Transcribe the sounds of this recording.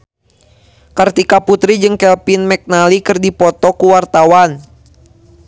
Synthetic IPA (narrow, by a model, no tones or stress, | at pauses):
kərt̪ikaput̪ɾid͡ʒɨŋkɛlpinmɛk̚nalikɨrdipɔt̪ɔkuwart̪awan